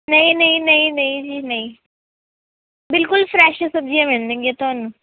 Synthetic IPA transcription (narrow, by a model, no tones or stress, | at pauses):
nɐɦĩnɐɦĩnɐɦĩnɐɦĩd͡ʒiːnɐɦĩ | bɪlkʊlfɾɛːʃɐsɐb̚d͡ʒiamẽnd̪eŋɡet̪oːnũ